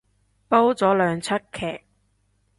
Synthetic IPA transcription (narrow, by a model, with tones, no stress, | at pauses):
po˥wt͡sɔː˨˥lœː˨˧ŋt͡sʰɐ˥t̚kʰːɛː˨˩k̚